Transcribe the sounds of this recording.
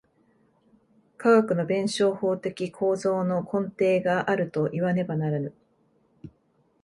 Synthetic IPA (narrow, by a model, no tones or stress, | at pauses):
kaɡakɯ̟no̞bẽ̞ɰ̃ɕo̞ːho̞ːt̪e̞kʲikʰo̞ːzo̞ːno̞kʰõ̞nt̪e̞ːɡaʔaɾɯ̟t̪o̞ʔiβane̞banaɾanɯ̟